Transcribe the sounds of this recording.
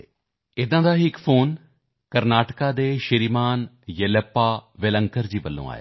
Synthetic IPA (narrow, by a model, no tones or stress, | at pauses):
ɪd̪ãːd̪aːɦɪkpʰoːn | kəɾnaːʈəkaːd̪eːʃɪɾiːmaːn | jələpːaːʋeləŋkəɾd͡ʒiːʋəlːõ̰ːa̰ːja̰ː